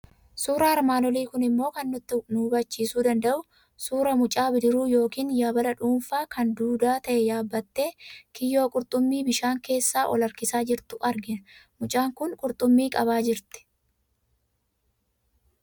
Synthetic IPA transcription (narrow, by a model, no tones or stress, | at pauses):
suːɾɐhɐɾmaːnɔliːkʊnɪmːo̞ːkɐnːʊt̪ːɪnubɐt͡ʃːiːsuːd̪ɐnd̪ɐʔʊ | suːɾɐmʊt͡ʃʼaːbɪd̪ɪɾuːjo̞ːkiːnjaːbɐlɐᶑuːfaːkɐnd̪uːd̪aːt̪ɐʔɛjaːbːɐt̪ːeːkɪjo̞ːkʼʊɾt̪ʼʊmːiːbɪʃaːŋke̞ːsːaːʔɔlɐɾkɪsaːd͡ʒɪɾt̪ʊʔɐɾɡɪnɐmʊt͡ʃʼaːŋkʊŋkʼʊɾt̪ʼʊmːiːkʼɐβaːd͡ʒɪɾt̪ɪ̥